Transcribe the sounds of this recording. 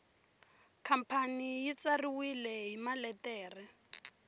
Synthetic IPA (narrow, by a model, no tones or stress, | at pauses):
kʰam̩pʰanijit͡sariwilɛɦimalɛtɛːrɛ